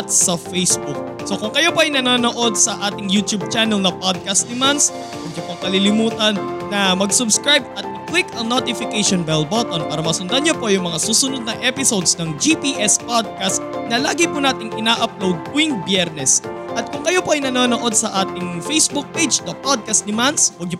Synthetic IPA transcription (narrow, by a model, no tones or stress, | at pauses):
ɐt̪̚sɐfejsbuk̚ | sokʊŋkɐjopoʔɐjnɐnoːno̞ʔo̞d̪̚sɐʔaːt̪ɪŋjuːt̪jub̚t͡ʃaːnɛlnɐpod̪̚kɐst̪̚d̪ɪmans | mɐɡ̚d͡ʒopoɐŋkɐlilɪmuːt̪ɐnːɐmɐɡsʊbskɹajb̚ɐt̪̚ɪklɪkɐŋnot̪ɪfɪkejʃonbɛlbot̪onpaːɾɐmɐsʊnd̪ɐnɲopo̞jʊŋmɐŋasuːsʊnod̪̚nɐŋʔɛpɪsowd̪snɐŋd͡ʒipiʔɛspod̪̚kast̪̚nɐla̰ːɡɪpʊnaːt̪ɪŋʔɪnaːʔɐp̚lowd̪̚puɪŋbjɛɾnɛsʔɐt̪̚kʊŋkɐjopoʔɐjnɐnoːnoʔo̞d̪̚sɐʔaːt̪ɪŋfejsbuk̚pejd͡ʒnɐpod̪̚kɐst̪d̪ɪmanswɐɡ̚ɲʊ